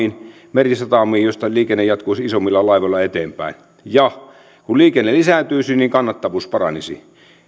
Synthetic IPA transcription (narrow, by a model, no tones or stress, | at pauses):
iːn | merisɑt̪ɑmˑiːjjost̪ɑliːkenːejɑt̪koisisomːilːɑlɑiʋoilɑet̪eːmpæ̰ˑin | jɑ | kuliːkenːelisæˑnt̪yːsinniŋkɑnːɑt̪ːɑʋuːspɑrɑ̰nisḭ